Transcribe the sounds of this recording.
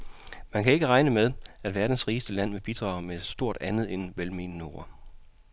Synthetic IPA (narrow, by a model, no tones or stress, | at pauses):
mænkʰæe̝ɡ̥əʁɑ̈ɪnəmeðˠæd̥ʋæɐd̥n̩sʁiːəsd̥əlæn̰ʋeb̥id̥ʁɑ̈ʊmed̥sd̥o̝ɐ̰d̥ænð̩ˠenʋelme̝ːnəno̝ːɐ